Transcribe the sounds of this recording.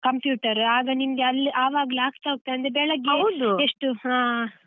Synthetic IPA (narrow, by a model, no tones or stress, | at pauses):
kɐmpjuːʈɐɾaːɡɐnimɐɡeɐlːiʔaːʋaːɡliaːkt̪aɦoɡ̚t̪ːeɐnd̪ɾebɛɭɐɡːɐwd̪ueʂʈuɦãː